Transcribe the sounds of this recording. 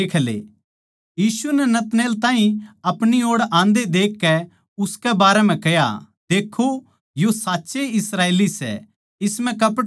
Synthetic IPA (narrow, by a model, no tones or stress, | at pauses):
eːkʰlḛː | jiːsuɛnɛnɐt̪neːlt̪ãːɦĩɐpɽ̃ioːɽãːnd̪ed̪eːkːɛ | ʊskɛbaːɾɛm̤ɛ̃kɛja̰ | d̪eːkʰːo | josaːtːseɪsɾaːeːlisɛ̰ | ɪsmɛ̃kɐpɽ